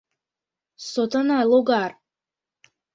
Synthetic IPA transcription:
sɔt̪ʰʼanalˠɔɡar

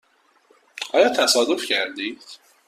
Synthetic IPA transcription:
ʔɒːjɒːt̪ʰæsɒːd̪ofcʰæɾd̪iːd̪̥

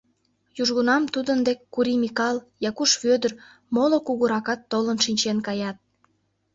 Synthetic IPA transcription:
juʒɣunɑmt̪ud̪ənd̪ekʲːuɾimikɑl | jɑkuʃβød̪ər | molokuɣuɾɑkɑt̪ːolənʃinʲt͡ɕenkɑjɑt̪̚

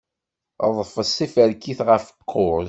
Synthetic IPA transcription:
əðˤfəsˤːifəɾkːiθʁəfə̥qʰːoɾz

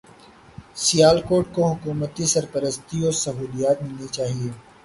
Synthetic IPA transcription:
sijaːlkoːʈ̚koɦʊkuːmət̪isɐɾpəɾəst̪iɔːsɐɦuːlijaːt̪mɪlnit͡ʃaːɦieː

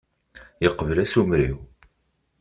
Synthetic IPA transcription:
jəqːəvəlæsumɾḭw

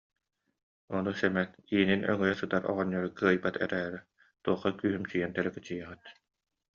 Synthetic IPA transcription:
ɔnusɛmɛt̪iːninœ̰ŋœjɛsɯt̪aɾʔɔ̰ʁɔɲːɔɾukɯɐjbat̪ɛ̰ɾɛːɾɛ | t̪uɔχːakyːɦymt͡ɕijɛnt̪ɛɾɛkɛt͡ɕijɛʁɯt̪

